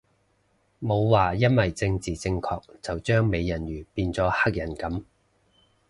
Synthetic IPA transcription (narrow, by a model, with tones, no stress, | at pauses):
mo˨˧wwaː˨˩jɐ˥nwɐ˨jt͡sɪ˧ŋt͡siː˨˩t͡sɪ˧ŋkʰɔː˧k̚t͡sɐ˨wt͡ʃœː˥ŋme˨˧jːɐ˨˩njyː˨˩piː˧nt͡sɔː˨˥ha˥k̚jɐ˨˩nkɐ˨˥m